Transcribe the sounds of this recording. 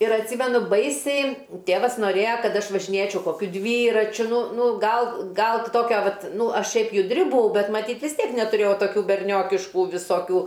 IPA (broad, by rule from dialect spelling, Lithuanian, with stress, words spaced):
ɪr ɐtʲˈsʲiːmʲɛnʊ ˈbɐɪsʲɛɪ ˈtʲeːʋɐs noːˈrʲeːjɛ ˈkɐt ˈɐʃ ʋɐʒʲɪˈnʲeːt͡ʃʲɛʊ koːˈkʲʊ ˈdʲʋʲiːrɐt͡ʃʲʊ ˈnʊ ˈnʊ ˈɡɐlˠ ˈɡɐlˠ ˈtoːkʲɛ ˈʋɐt ˈnʊ ˈɐʃ ˈʃʲɛɪp jʊdʲˈrʲɪ bʊˈɐʊ ˈbʲɛt mɐˈtʲiːt ʋʲɪs ˈtʲiɛk nʲɛtʊˈrʲeːjɛʊ toːˈkʲuː bʲɛrʲˈnʲoːkʲɪʃkʊ ʋʲɪsoːˈkʲuː